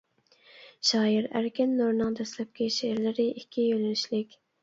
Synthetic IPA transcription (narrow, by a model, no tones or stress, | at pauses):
ʃɑːiɾæɾkʲɛnːoɾnɨŋd̪ɛslɛp̚kʲɪʃeɾlɪɾɪʔikʲʰːijølynɪʃlɪkʲ